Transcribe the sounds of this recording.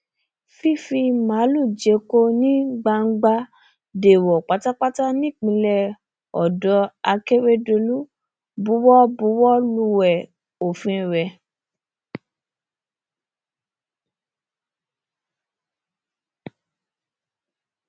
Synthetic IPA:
fi˦fi˧mã˨˦lu˦˨d͡ʒe˨˦ko˦nĩ˦ɡ͡ba˧ŋ̩˦ɡ͡ba˦˧ | de˨wɔ˨k͡pa˨˦ta˦k͡pa˦ta˦nĩ˦˨k͡pĩ˧lɛ˧ | ɔ̰˨dɔ˧˦a˧ke˦ɾe˦do˧lu˦ | bu˨˦wɔ˦bu˨˦wɔ˦lu˧wɛ˨ | o˨fĩ˧˨ɾɛ˨

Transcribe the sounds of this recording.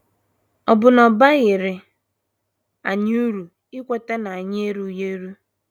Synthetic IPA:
ɔ˨bʊ˨nɔ˨ba˦ɣɪ˨ɾɪ˨ | a̰˨ɲ˦u˦ɾu˨ | ɪ˦kʷe˦te˦na˨a˨ɲɪ˦e˦ɾu˨je˦ɾu˦

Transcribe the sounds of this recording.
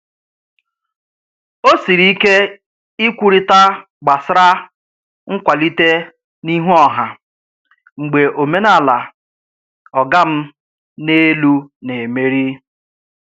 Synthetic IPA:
o˦si˨ɾi˦i˦ke˦ | i˦kʷu˦ɾi˦ta˦ | ɡ͡ba˨sɾa˦ | ŋ̩˦kʷa˨li˦te˦ | ni˦ɦu˦ɔ˨ɦa˨ | ŋ͡m̩˨ɡ͡be˨ʔo˨me˦na˦˨la˨ | ɔ˨ɡa˦m̩˦ | ne˦lu˦ne˨me˦ɾi˦

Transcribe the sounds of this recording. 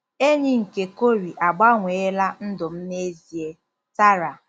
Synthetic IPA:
e˦ɲi˨ŋ̩˨ke˨ko˦ɾi˨ʔa˨ɡ͡ba˦ŋʷe˨e˦la˦n̩˦dʊ˨m̩˦ne˦zi˨e˦ | ta˦ɾa˨

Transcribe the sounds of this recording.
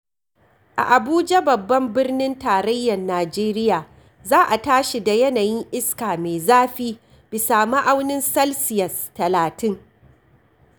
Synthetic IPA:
ʔa̰˨ʔa˨buː˦d͡ʒa˦bɐ˨bːɐ˦mbɪ˦rnɪ˦ntaː˨ɾɐ˦jːɐ˨nːaː˨d͡ʒeː˦ɾɪ˦jaː˨ | zaː˦ʔa˨taː˦ʃi˨da˨jɐ˦naː˨jɪ˦ŋʔɪ˦skaː˨meː˨zaː˦ɸiː˦ | b̥ɪ˨saː˨ma˦ʔa˦wnɪ˦nsɐ˦lsɪ˨jɐ˨stɐ˨laː˨tɪ˦ŋ

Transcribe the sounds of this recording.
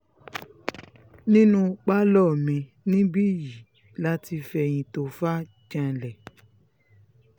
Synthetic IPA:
nĩ˦nũ˧k͡pa˦lɔ˦˨mĩ˧ | nĩ˦bi˦ji˨ | la˦ti˧fɛ˧j̃ĩ˧to˧fa˦ | d͡ʒã˧˨lɛ˨

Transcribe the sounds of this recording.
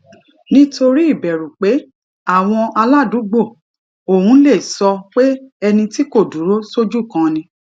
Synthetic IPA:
nĩ˦tʰo˧ɾi˦i˦˨bɛ˨ɾu˨k͡pe˨˦ | a˦˨w̃ɔ̃˧a˧la˦˨du˨˦ɡ͡bo˦˨ | o˨hũ˨˦le˦˨sɔ˧k͡pe˦ɛ˧nĩ˧ti˦ko˦˨du˨˦ɾo˦so˦d͡ʒu˦˨kã˧nĩ˧

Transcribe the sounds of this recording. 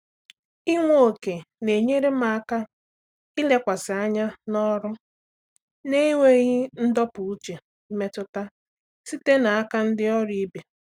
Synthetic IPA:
i˦ŋʷo˨˦˨ke˨ | ne˨ɲe˦ɾe˦ma˨a˦ka˦ | ɪ˦le˦kʷa˨sɪ˨a˦ɲa˦nɔ˦ɾʊ˦ | ne˦i˦ŋʷe˦ɣɪ˦n̩˦dɔ˦pʊ˨u˦t͡ʃe˨ | m̩˦me˦tʊ˦ta˦ | si˦te˦na˨a˦ka˦n̩˦dɪ˦ɔ˦ɾi˦be˨

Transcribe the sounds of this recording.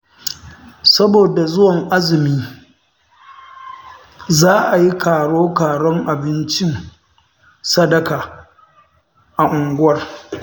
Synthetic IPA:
sɐ˦boː˨da˨zʊ˦wɐ˨ŋʔa˦zɪ˨miː˦ | zaː˦ʔa˨ji˦kʰaː˨ɽoː˦kaː˨ɽɔ˦ŋʔa˨bɪ˦nt͡ʃɪ˦ŋ | sɐ˦dɐ˨kaː˨ | ʔa˨ʔʊ˨ŋɡʷʊ˦wɐ˦r

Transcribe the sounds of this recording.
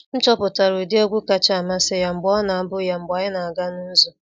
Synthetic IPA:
n̩˦t͡ʃɔ˦pʊ˨ta˨ɾʊ˨i˨dɪ˦o˦ɡʷu˦ka˦t͡ʃma˦sɪ˦ja˨ŋ͡m̩˨ɡ͡bɔ˦na˨a˦bʊ˦ja˦ŋ͡m̩˨ɡ͡ba˨ɪ˦na˨a˨ɡa˦nu˦zu˦

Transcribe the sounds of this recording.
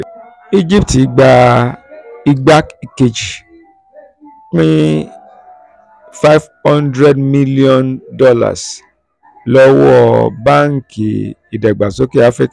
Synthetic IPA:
i˧d͡ʒi˦p̚ti˨˦ɡ͡ba˧ | i˧ɡ͡ba˦kke˨d͡ʒi˨ | k͡pĩ˦ | fa˦jvhɔ̃˦ndɾɛ˦dmi˦li˦ɔ̃˦ndɔ˦la̰˨s | lɔ˦wɔ˦˧ba˦ŋ̩˦ki˨i˨dɛ˨ɡ͡ba˨so˨˦ke˦a˦fɾi˦k

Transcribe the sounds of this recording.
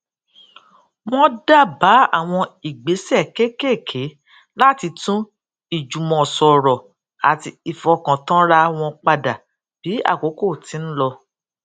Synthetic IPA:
w̃ɔ̃˦da˦˨ba˨˦a̰˦˨w̃ɔ̃˧i˨ɡ͡be˨˦sɛ˦˨ke˦ke˦˨kʰe˨˦ | la˦ti˧tũ˦ | i˨d͡ʒu˨mɔ̃˨sɔ˨ɾɔ˨ | a˨ti˧i˨fɔ˧kã˨tã˦ɾa˧w̃ɔ̃˧k͡pa˧da˨ | b̥i˨˦a̰˦˨ko˨˦ko˦˨ti˨˦n̩˦lɔ˧

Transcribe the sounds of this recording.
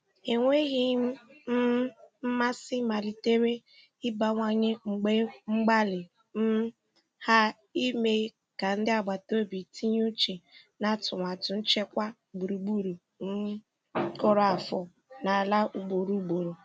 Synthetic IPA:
e˨ŋʷe˦ɣi˦m̩˦m̩˦m̩˦ma˦sɪ˦ma˨li˨te˦ɾe˦ | ɪ˦ba˨ŋʷa˦ɲe˦ŋ͡m̩˨ɡ͡be˦ŋ͡m̩˦ɡ͡ba˦lɪ˨ | m̩˦ | ha˦ | i˦me˦ | ka˨n̩˦dɪ˦a˦˨ɡ͡ba˨to˦bi˨tʰi˦ɲ˦u˦t͡ʃi˨ | na˦tʊ˨ŋʷa˨tʊ˨n̩˦t͡ʃe˦kʷa˦ | bu˨ɾu˨ɡ͡bu˦ɾu˨ | n̩˦ | kɔ˦ɾɔ˦a˨fɔ˨ | na˨a˨la˦ʔu˨ɡ͡bo˨ɾu˦ɡ͡bo˨ɾo˨

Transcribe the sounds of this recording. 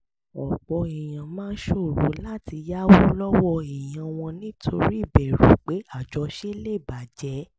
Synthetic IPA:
ɔ˨ɡ͡bɔ˧i˨j̃ã˨mãː˦ʃo˦˨ɾo̰˨˦la˦ti˧ja˦wo˦lɔ˦wɔ˧i˨j̃ã˨w̃ɔ̃˧nĩ˦tʰo˧ɾi˦i˦˨bɛ˨ɾu˨˦k͡pe˨˦a˦˨d͡ʒɔ˨˧ʃe˦le˦˨ba˨d͡ʒɛ˨˦

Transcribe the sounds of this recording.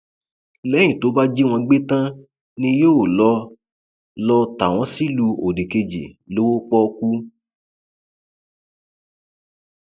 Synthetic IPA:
lɛ˦j̃ĩ˨to˨˦ba˦d͡ʒi˦w̃ɔ̃˧ɡ͡be˦tã˦ | nĩ˧joː˦˨lɔ˦ | lɔ˧ta˨w̃ɔ̃˨˦si˦lu˧o˨de˨ke˧d͡ʒḛ˨lo˦wo˦k͡pɔ˦˧ku˦

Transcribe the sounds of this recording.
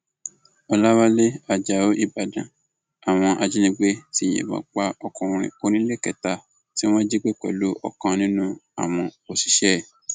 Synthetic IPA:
ɔ˧la˦wa˦le˦a˧d͡ʒa˨o˦ʔi˦˨ba˨dã˨ | a˨w̃ɔ̃˧ʔa˧d͡ʒi˦nĩ˧ɡ͡be˦tĩ˦˨ɛ̰̃˨ba̰˨˦k͡pa˦ɔ˧kɔ̃˨ũ˧ɾ̃ḭ̃˨o˧˦nĩ˦le˦˨kɛ˨ta˧ | ti˦w̃ɔ̃˦d͡ʒe˦ɡ͡be˦˨k͡pɛ̰˨lo˦ʔɔ̰˧˨kã˧nĩ˦nũ˦a̰˦˨w̃ɔ̃˧o˨si̥˨˦ʃɛ˦˨

